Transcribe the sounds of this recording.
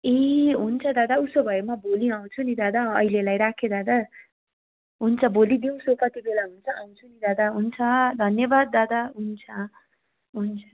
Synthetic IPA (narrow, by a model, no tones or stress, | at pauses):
eɦunt͡sʰʌd̪ad̪ausobʱʌjemabʱoliãw̃t͡sʰunid̪ad̪aʌ̰ilelajɾakʰed̪ad̪a | ɦunt͡sʰʌbolid̪iw̃sopʌt̪ibelaɦunt͡sʰʌãw̃t͡sʰunid̪ad̪aɦunt͡sʰʌd̪ʱʌnjʌbad̪̚ːad̪aɦunt͡sʰʌ | ɦunt͡sʰʌ̥